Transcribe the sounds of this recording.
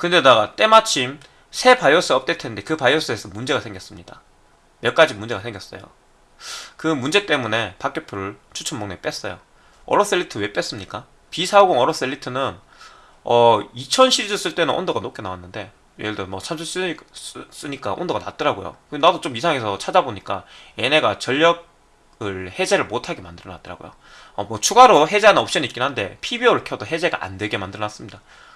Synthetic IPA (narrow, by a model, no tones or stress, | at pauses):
kɯnde̞naɡat͈e̞mat͡ɕʰim | sʰe̞pajʌs͈ɯʌp̚t͈etʰende̞kɯpajːʌs͈ɯesʰʌmund͡ʑe̞ɡasʰe̞ŋɡjʌs͈ɯmɲida | mjʌɭk͈ad͡ʑimund͡ʑe̞ɡasʰe̞ŋɡjʌs͈ʌ̰jo̰ | kɯmund͡ʑe̞t͈e̞mune̞pak͈e̞pʰɯɾɯɭt͡ɕʰut͡ɕʰʌmoŋnep͈es͈ʌ̰jo̰ | ʌ̰ɾʌs͈eɭːitʰɯwe̞p͈e̞s͈ɯmɲik͈a | pisʰaɡoŋʌɾʌs͈eʎːitʰɯnɯn | ʌit͡ɕʰʌnɕʰiɾid͡ʑʌs͈ɯɭt͈e̞nɯnʔo̰ndoɡanok͈e̞nawanːɯnde̞ | jeɭdɯmʌt͡ɕʰamd͡ʑʰus͈ss͈ɯɲik͈a̰ʔo̰ndoɡana̰t͈̚ɯɾaɡojo̰kɯnadot͡ɕ͈omisʰaŋe̞sʰʌt͡ɕʰad͡ʑaboɲik͈ae̞ne̞ɡat͡ɕʌʎːʌɡ̚ | ɯɭhe̞d͡ʑe̞ɾɯɭmotʰaɡe̞mandɯɾʌna̰t͈ɯɾa̰ɡo̰jo̰ | ʌmwʌt͡ɕʰuɡaɾoɦe̞d͡ʑeanɯnʌp̚ɕ͈inɯitk͈inɦande̞̰pʰibiʌɯɭkʰjʌdoɦe̞d͡ʑe̞ɡa̰ʔa̰nde̞ɡe̞mandɯɾʌnas͈ɯmɲida